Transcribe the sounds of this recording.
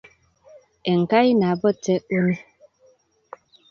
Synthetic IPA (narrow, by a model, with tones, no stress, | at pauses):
ɛ˨ŋ̩˨ka˦i˦na˨bɔ˦tɛ˦k͡po˦ni˦